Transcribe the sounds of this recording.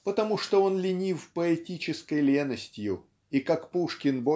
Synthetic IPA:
pət̪ɐmuʂt̪oo̞nlʲɪnʲifpəɛtʲit͡ɕɪskəjlʲenəsʲtʲjʊ | ikakpuʂkʲɪnbo

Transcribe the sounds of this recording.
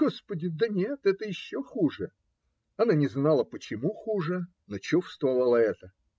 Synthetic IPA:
ospədʲɪd̪ənʲet̪ɛt̪əjɪɕːoxuʐɨ | ɐnanʲɪznalˠəpət͡ɕɪmuxuʐɨ | not͡ɕofst̪vɐvəlˠəɛt̪ə

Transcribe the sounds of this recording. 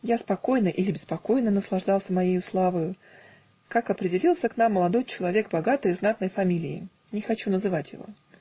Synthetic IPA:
jaspɐko̞jnəʔilʲɪbʲɪspɐko̞jnənəslˠɐʐd̪ɑlˠsʲəmɐjejʊslˠavəjʊ | kakɐpɾʲɪdʲɪlʲilˠsʲəknamːəlˠɐd̪o̞jt͡ɕɪlˠɐvʲe̞kbɐɡat̪ɨjznat̪nəjfɐmʲilʲɪɪ̰ | nʲɪxɐt͡ɕunəzɨvatʲjɪ̰vo̞̰

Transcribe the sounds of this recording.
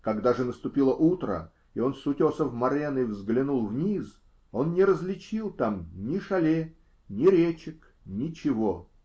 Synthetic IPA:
kaɡd̪aʐɨnəst̪ʊpʲilˠəʔut̪ɾə̰ | io̞nsʊtʲosəvmɐɾʲenɨvzɡlʲɪnulˠvnʲis | o̞nnʲɪɾəzlʲɪt͡ɕilˠt̪amnʲɪʂɐlʲe | nʲɪɾʲet͡ɕɪk | nʲɪt͡ɕɪvo

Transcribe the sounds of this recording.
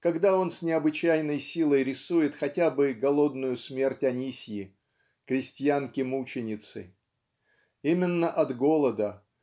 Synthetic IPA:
kɐɡd̪ao̞nsʲnʲɪɐbɨt͡ɕæjnəjsʲilˠəjɾʲɪsujɪt̪xɐtʲabɨɡɐlˠo̞d̪nʊjʊsmʲe̞rtʲɐnʲisʲjɪ | kɾʲɪsʲtʲɪjankʲɪmut͡ɕɪnʲɪt̪sɨ̰ | imʲɪnːəʔɐd̪ɡo̞lˠəd̪ə

